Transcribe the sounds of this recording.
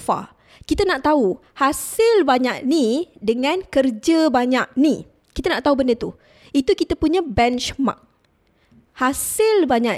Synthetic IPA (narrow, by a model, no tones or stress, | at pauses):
fa̰ | kit̪anaʔt̪au | hasɪlbaɲaʔ̚nidəŋãnkərd͡ʒəbaɲak̚ni | kit̪anaʔt̪aubəndət̪u | it̪ukit̪apuɲabɛnt͡ʃma̰k̚ | hasɪlbaɲaʔ